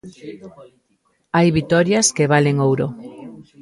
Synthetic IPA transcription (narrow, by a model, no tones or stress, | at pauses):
ajβit̪ɔɾjaskeβ̞aleŋowɾo